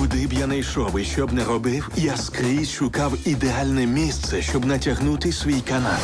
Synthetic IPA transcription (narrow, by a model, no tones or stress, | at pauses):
ʊd̪ɪbjanɐjʃɔwɪʃt͡ʃɔbnɛɾɔbɪwjaskɾʲisʃʊkɑwid̪ealʲnɛmʲist̪sɛʃt͡ʃɔbnɐtʲɐɦnut̪ɪsʲʋʲijkɐnal